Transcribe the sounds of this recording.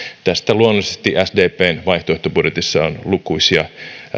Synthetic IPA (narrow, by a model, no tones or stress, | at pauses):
t̪æst̪æluonolˑisest̪iʔæsdeːpeːnʋɑiht̪oeht̪obudjet̪isːɑonlukuisiɑ